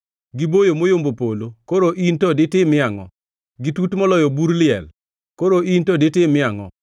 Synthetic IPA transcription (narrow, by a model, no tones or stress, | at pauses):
ɡɪbojomojombopolokoɾoʔintɔdɪtɪmɪaŋɔ | ɡɪtutmɔlɔjɔbuɾlɪɛ̰l | koɾoʔintɔdetɪmɪaŋɔ̰